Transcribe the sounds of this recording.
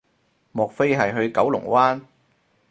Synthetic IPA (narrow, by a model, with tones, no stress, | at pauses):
mɔː˨k̚fe˥jɦɐ˨jɦɵ˧ɥkɐ˨˥wlʊ̰˨˩ŋwaː˥n